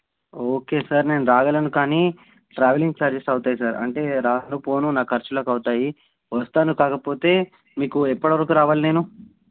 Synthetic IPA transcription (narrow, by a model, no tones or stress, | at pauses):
oːke̞ːsaɾne̞ːnuɾaːɡɐlɐnukaːniː | ʈɾaːʋeliŋɡt͡ʃaːɾd͡ʒesɐwt̪aːjisaːɾɐ̰ɳʈe̞ːɾaːɐnupo̞ːnunaːkʰɐɾt͡ʃɐloːkɐwt̪aːji | ʋɐst̪aːnukaːkɐpo̞ːt̪e̞ː | miːkuɛpːɐɽɐʋɐɾɐkuɾaːʋaːline̞ːnu